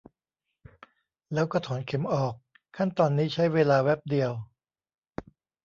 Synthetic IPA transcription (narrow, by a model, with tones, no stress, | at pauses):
lɛː˦˥wkɔ˥˩t̪ʰɔː˩˦nkʰe˩˦mʔɔː˨˩k̚ʰː | a˥˩nt̪ɔː˧nːiː˦˥t͡ɕʰa˦˥jweː˧laː˧wɛ˦˥p̚di˧əw